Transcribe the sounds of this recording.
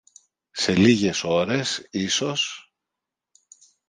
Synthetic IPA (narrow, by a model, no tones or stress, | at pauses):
se̞liʝe̞so̞ɾe̞siso̞s